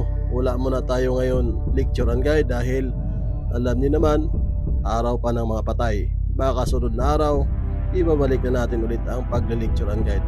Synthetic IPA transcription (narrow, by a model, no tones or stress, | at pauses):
wɐlaʔmonɐt̪aːjoŋɐjo̞nlɪk̚t͡ʃʊɾɐnɡajd̪ːaːɦɪl | ʔɐlamɲʊnɐman | ʔaːɾɐwpanɐŋmɐŋapɐt̪aj | maakɐsʊnod̪̚nɐʔaːɾɐw | ʔɪbaːbalɪk̚nɐnaːt̪ɪnʔʊlɪt̪ɐŋpɐɡ̚lɪlɪk̚t͡ʃʊɾɐŋɡajd̪̚